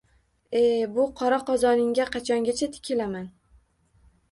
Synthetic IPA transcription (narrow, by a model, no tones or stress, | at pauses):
ebʊqʰɒɾaqɒzɒnɪŋɡʲaqʰɑt͡ʃʰɒŋɡʲat͡ʃʰat̪ʰɪ̥kʲʰɪlaman